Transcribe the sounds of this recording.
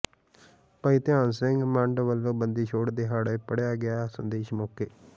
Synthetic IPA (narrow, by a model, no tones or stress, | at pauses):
pəit̪ɪjãːnsɪ̃ŋɡmə̃ɳɖʋəlːõːbənd̪iːt͡ʃʰoːɽd̪eːɦaːɽeːpəɽejaːɡɪjaːsə̰nd̪eːʃmɔːkeː